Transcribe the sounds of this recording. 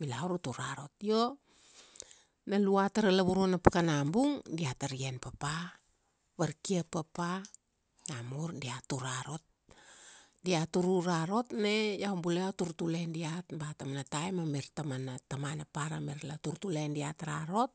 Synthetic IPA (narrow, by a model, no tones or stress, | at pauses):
bilawɾutuɾaɾot̚jo | naluataɾalaβuɾonapakanambuŋdiataɾienpapa | βaɾkiapːapa | jamuɾdiatuɾaɾo̞t̚ | diatuɾuɾaɾo̞tnejawmbuleatuɾtulendiatbatamanatajmameɾtamanatamanapaɾameɾlatuɾtulendiataɾaɾo̞t̚